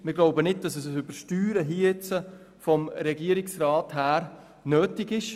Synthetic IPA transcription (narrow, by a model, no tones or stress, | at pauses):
mɪɾɡ̥loʊbənɪd̚d̥ɑsɛs̬ɛsybəɾʃtyːɾəɦit͡sə | fɔmɾɛɡiəɾɪksɾaːthæːɾ | nøːtɪɡɪʃ